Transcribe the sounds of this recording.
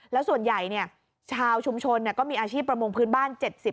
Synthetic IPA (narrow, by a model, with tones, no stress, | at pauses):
lɛ˦˥wsu˨˩ənja˨˩jni˥˩ɐ | t͡ɕʰaː˧wt͡ɕʰu˧mt͡ɕʰo˧nːi˥˩ɐkɔː˥˩miː˧ʔaː˧t͡ɕʰiː˥˩pːɾa˧mo˧ŋpʰɯː˦˥nbaː˥˩nt͡ɕe˨˩t̪̚si˨˩p̚